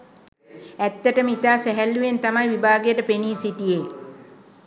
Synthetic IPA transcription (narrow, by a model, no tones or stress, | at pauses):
æt̪ːəʈəməit̪aːsæɦælːujent̪amajʋibʱaːɡejəʈəpeniːsiʈije